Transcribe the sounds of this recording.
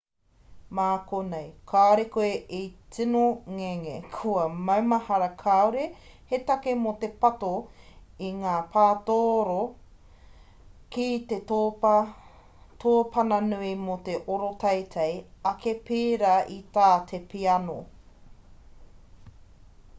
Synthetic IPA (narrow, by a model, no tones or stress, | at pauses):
maːkonejkʰaːɾekoeʔit͡sinoŋeŋekʰuɐmɐwmɐhɐɾɐkʰawɾe | het̪ɐkemot̪e̞pɐtoiŋaːpʰaːtoɾo | kit̪etː | tʰoːpʰɐnɐnuimot̪eʔoɾotʰɐjtʰɐjɐkepiːɾɐʔit̪aːt̪ʰepiɐno